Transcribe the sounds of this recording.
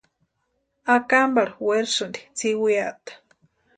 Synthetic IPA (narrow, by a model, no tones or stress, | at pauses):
akambaɾweɾsund̪i̥t͡siwiaʔt̪ḁ